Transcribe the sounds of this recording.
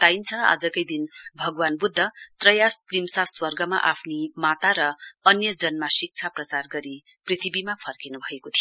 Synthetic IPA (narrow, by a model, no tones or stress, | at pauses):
t̪ajint͡sʰʌa̰d͡zʌkʌjd̪inbʱʌɡwanbud̪ʱːʌt̪rʌjast̪rimsaswʌrɡʌma̰ʔapʰnimat̪aɾʌːnjʌd͡zʌnmasik̚t͡sʰaprʌt͡sarɡʌɾi | prit̪ʰibimapʰʌrkinubʱʌekot̪ʰijo